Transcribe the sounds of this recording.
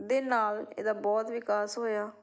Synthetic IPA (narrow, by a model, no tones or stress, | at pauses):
d̪eːnaːlḛːd̪aːbɔːt̪ʋɪkaːsɦoːjaː